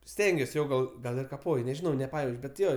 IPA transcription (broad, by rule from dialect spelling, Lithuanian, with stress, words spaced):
ˈsʲtʲɛŋʲɡʲuɔs ˈjoː ˈɡɐlˠ ˈɡɐlˠ ɪr kɐˈpoːj nʲɛʒʲɪˈnɐʊ nʲɛˈpɑːjɛʊt͡ʃ bʲɛt ˈjoː